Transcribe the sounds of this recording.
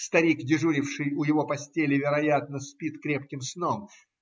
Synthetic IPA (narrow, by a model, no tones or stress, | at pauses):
st̪ɐɾʲikdʲɪʐuɾʲɪfʂɨjʊjɪvo̞pɐsʲtʲelʲɪvʲɪɾɐjat̪̚nəspʲit̪kɾʲe̞pkʲɪmsno̞m